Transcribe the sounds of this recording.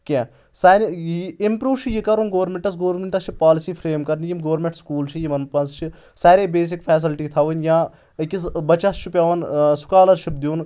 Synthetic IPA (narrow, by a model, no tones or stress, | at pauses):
kʲɛ̃ː | saːniimpɾuːʋt͡ʃʰijikɐɾuːnɡoːʋɾmʲẽɳʈɐsɡoːɾmʲeɳʈɐst͡ʃʰipaːlisiːpʰɾeːmkɐɾnijimɡɐʋɾmẽɳʈskuːlt͡ʃʰijimɐnpɐnst͡ʃʰi | saːɾeːbeːs̬ikpʰɛːs̬ilʈiːt̪ʰaʋunʲjãː | kʲisbɐt͡ʃːast͡ʃʰipʲaʋɐnsʊ̥kaːlɐɾʃip̚d̪iun